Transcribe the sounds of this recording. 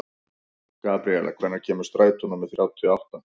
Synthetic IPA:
kaːpɾiɛla̰kʰv̥ɛjnaɾ̥cʰɛːmʏ̥ɾst̪ɾaːjt̪unamɛðθɾjawt̪ʰɪɔawht̪an

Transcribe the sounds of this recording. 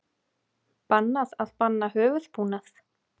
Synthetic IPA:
panːaðaðpanːaɦœːvʏðpʰuːnaθ

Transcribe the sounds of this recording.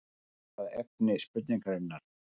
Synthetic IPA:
aðɛp̚nɪspʏt̪̬niŋkaɾɪnːaɾ̥

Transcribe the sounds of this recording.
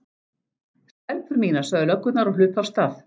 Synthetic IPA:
st̪ɛlpʏɾmiːnḁsœɣðʏlœkːʏt̪naɾɔlʏːpawst̪aθ

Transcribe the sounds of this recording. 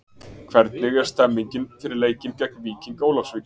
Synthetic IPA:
kʰvɛɾt̪nɪɣjɛɾ̥st̪ɛmːiɲcɪnfɪɾɪɾleːjcɪncɛk̚nviːcinkoːwlafsvɪː

